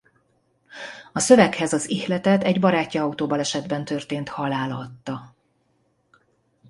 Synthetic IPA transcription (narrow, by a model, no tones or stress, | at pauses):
ɒsø̞vɛkhɛzɒzihlɛt̪ɛt̪ɛɟbɒɾaːcːiɒut̪oːbɒlɛʃɛd̪bɛnt̪ø̞rt̪eːnt̪hɒlaːlɒt̪ːɒ